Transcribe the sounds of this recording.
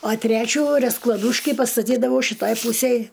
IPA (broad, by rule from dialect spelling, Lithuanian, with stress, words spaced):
ɐ ˈtʲrʲæːt͡ʃʲuː rʲɛsklˠɐˈduːʃʲkʲɪ pɐstɐˈtʲiːdɐʋɐʊ ʃʲɪˈtɐj ˈpuːsʲɛj